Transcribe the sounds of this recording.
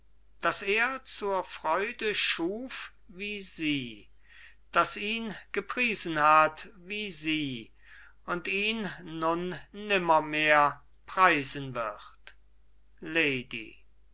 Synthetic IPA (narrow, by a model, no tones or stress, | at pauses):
d̥aseːɐt͡suːɐfʁ̥ɔʏdəʃuːf | viːziː | d̥asiːnɡ̥əpʁ̥iːzən̩hatviːziː | ʊntiːnːʊnːɪmɐmeːɐ | pʁ̥aɪzənvɪχt | leɪdḭ